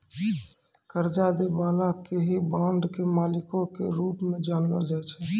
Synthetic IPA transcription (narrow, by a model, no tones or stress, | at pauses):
kəɾd͡ʒad̪ebaːlakeɦibãɳɖkemaːlikõkeɾuːpmed͡ʒaːnlə̰d͡ʒaːt͡ʃʰɛ